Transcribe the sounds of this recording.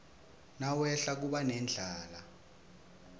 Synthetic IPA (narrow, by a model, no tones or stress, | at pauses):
nawɛɬak̬uɓanɛnd͡ɮʱaːla